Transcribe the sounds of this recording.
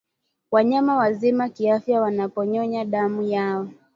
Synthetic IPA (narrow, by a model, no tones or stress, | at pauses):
waɲamawazimakiafjawanapɔɲɔɲaɗamujaɔ